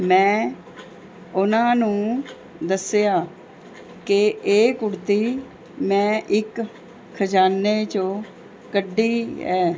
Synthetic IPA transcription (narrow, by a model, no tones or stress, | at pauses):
mɛ̃ː | ʊnãːnũː | d̪əsjaː | kɪeːkʊɽt̪iː | mɛ̃ːʔɪkʰː | əd͡ʒaːnːeːt͡ʃõː | kəɖːiːɛː